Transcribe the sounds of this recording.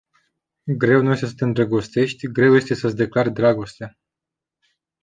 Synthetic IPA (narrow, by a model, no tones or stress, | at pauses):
ɡɾe̞wnujest̪esə̥t̪eɨnd̪ɾaɡo̞st̪e̞ʃt̪ʲɡɾe̞wje̞st̪e̞səsd̪e̞klard̪ɾaɡo̞st̪ea